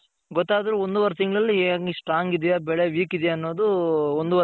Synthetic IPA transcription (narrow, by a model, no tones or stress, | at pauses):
ɡɔt̪ːaːd̪ɐɾuond̪uʋɐɾt̪iŋɡɐɭɐlːieːŋisʂʈɾaːŋɡid̪ijabɛɭeʋiːkid̪jaːnːo̞ːd̪uond̪uʋɐ